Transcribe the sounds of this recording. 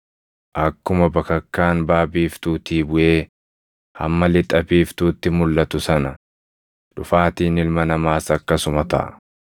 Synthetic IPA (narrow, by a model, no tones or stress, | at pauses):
ʔɐkːʊmɐbɐkɐkːaːnbaːbiːft̪uːt̪iːbʊʔe̞ː | hɐ̰mːɐlɪt̪ʼːɐbiːft̪uːt̪ːɪmʊlːɐt̪ʊsɐnɐ | ᶑʊfaːt̪iːnɪlmɐnɐmaːsɐkːɐsʊmɐt̪ɐ̰ʔ